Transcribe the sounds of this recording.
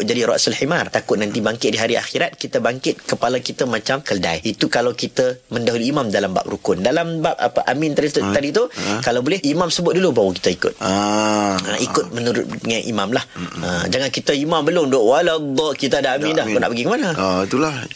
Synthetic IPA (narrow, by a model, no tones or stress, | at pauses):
d͡ʒadiɾɔ̰ʔsulħimart̪akʊt̪̚nãnt̪ibaŋkɪt̪̚diɦaɾia̰xiɾat̪̚kit̪əbaŋkɪt̪̚kəpalakit̪əmãt͡ʃamkəlda̰jit̪ukalawkit̪əməndaɦuliːmamdalamba̰p̚rukʊndalambap̚a̰pəʔamɪ̃nt̪adit̪adit̪ukalawbolɛhimãmsəbʊt̪̚dulubawaki̥t̪əikʊ̰t̪̚a | a̰ʔikʊt̪̚mənuɾʊ̰t̪̚ŋanʔḭmãmlahəd͡ʒaŋankit̪əimãmbəlʊmdoʔwaladɔʔkit̪əadaamɪ̃ndahkonaʔpəɡikəmanəot̪ulah